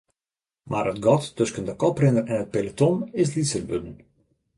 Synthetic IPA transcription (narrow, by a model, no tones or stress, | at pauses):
marətɡɔtːøskəndəkɔprɪndərɛnɦət̚pelətɔmɪslisərbødən̩